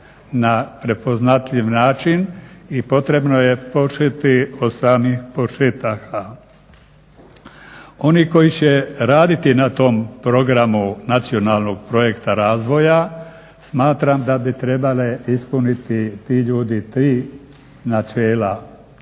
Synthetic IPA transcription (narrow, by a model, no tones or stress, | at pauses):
napɾe̞po̞znat̪ʎiʋnaːt͡ʃinipo̞t̪ɾe̞bno̞je̞po̞ʃet̪iosaːmixpoʃet̪aka | o̞niko̞jit͡ɕeɾaːd̪it̪inat̪o̞mpɾo̞ɡɾamunat̪sio̞naːlˠno̞ɡ̚pɾo̞je̞kt̪aɾaːzʋo̞ja | smaːt̪ɾamd̪abit̪ɾe̞baleispunit̪it̪iːʎuːd̪it̪ɾiː | nat͡ʃeːla